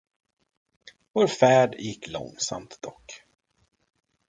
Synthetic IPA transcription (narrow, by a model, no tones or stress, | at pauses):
voːɾfæːɖjɪkːlɔ̰ŋːsa̰mt̪d̪ɔkː